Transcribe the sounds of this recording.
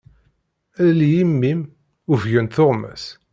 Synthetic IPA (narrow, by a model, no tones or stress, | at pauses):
æðljimːim | uvʝənθoʁmæ̰s